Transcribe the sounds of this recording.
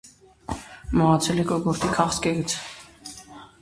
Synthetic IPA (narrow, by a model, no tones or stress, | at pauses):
mɔat͡sʰɛlikʼɔɡɔɾt̪ʰikʰɑχskʼɛɡit͡sʰ